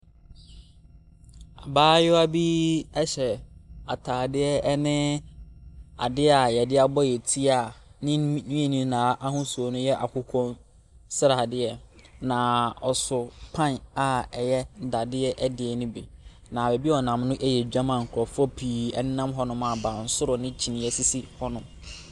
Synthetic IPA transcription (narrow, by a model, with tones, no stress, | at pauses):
a˨baː˦jʊ˦a˦bi˦ɛ˦ɕɛ˨a˨tʰaː˨dɪ˦ɛ˦nɪ̃˦ | a˨dɪ˦a˨jɛ˨dɪ˦a˨bɔ˦jɛ˨tʰi˦a˨nɪ̃˦nĩ˦e˨nĩ˦nãː˨˦ʔa˦ɦʊ̃˦su˨ɔ˨nʊ̃˦jɛ˦ʔa˨kʰʊ˨kʰɔ̃˦n | sɪ˦ɾa˨dɪ˦ɛ˦nã˨ɔ˨sʊ˨pʰã˦na˨ɛ˨jɛ˦da˨dɪ˦ɛ˦ʔɛ˦dɪ˨ɛ˨nʊ̃˦bi˨ | nã˨be˨bi˦ɔ˨nã˨mnʊ̃˦ʔɛ˦jɛ˨d͡ʑᶣa˦mã˨ŋ̩˨kʰʊ˨ɾɔ˨fɔ˦pʰiː˨ɛ˦n˦nã˦mɦɔ˦nʊ̃˦mã˨bã˨n̩˦sʊ˦ɾʊ˨nɪ̃˦t͡ɕʰi˨nĩ˨jɛ˦˨si˦si˦hɔ˦nʊ̃˦m